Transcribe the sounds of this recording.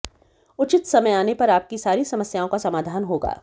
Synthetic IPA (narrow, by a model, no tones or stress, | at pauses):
ʊt͡ʃɪt̪sɐməjaːnepɐɾaːp̚kisaːɾisɐməsjaːõkasɐmaːd̪ʱaːnɦoːɡa̰ː